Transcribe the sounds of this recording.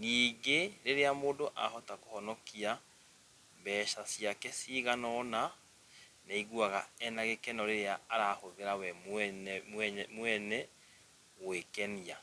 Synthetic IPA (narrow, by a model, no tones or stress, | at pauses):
niːɡeɾeɾeamoːndoʔa̰hɔtakohɔnɔkia | mbɛːʃasijakɛsiɣanɔːna | naiɣuaɣa̰ɛnaɣekɛnɔɾeɾeaːɾaːhoðeɾawɛ | mwɛnɛ | ɣwekɛnia